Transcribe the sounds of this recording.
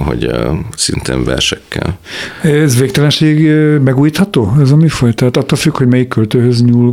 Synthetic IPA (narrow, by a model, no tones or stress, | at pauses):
ho̰ɟsint̪eːɱvɛrʃɛkːɛl | ɛɛzveːk̚t̪ɛlɛnʃeːɡmɛɡuːjiːt̪hɒt̪oːɛzɒmifojt̪aːt̪ɒt̪ːoːlfykhoɟmɛjikːølt̪øːɦøzɲuːl